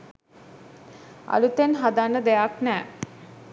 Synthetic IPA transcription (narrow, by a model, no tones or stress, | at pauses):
a̰lut̪enɦad̪anːəd̪ejaknɛː